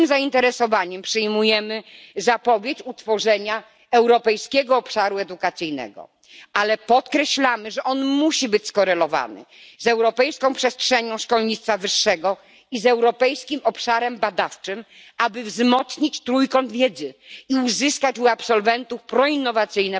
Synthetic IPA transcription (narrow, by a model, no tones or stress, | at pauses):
mzaint̪ɛɾɛsɔvaɲɛmpʂɘjmujɛmɘzapɔvʲjet͡ɕut̪fɔʐɛɲa | ɛwɾɔpɛjskʲɛɡɔːpʂaɾuɛd̪ukat̪sɘjnɛ̰ɡɔ̰ | alɛpɔt̪kɾɛɕlamɘʐɛʔɔnmuɕibɘt͡ɕskɔɾɛlɔva̰nɘ̰ | zɛwɾɔpɛjskɔ̃pʂɛstʂɛɲɔ̃w̃ʂkɔlɲit̪st̪favɘʂːɛɡɔ | izɛwɾɔpɛjskʲimɔpʂaɾɛmbad̪aft͡ʂɘm | abɘvzmɔt̪sɲit͡ɕt̪ɾujkɔnd̪vʲjɛd̪zɘiuzɘskat͡ɕuapsɔlvɛnt̪ufpɾɔinːɔvat̪sɘjnɛ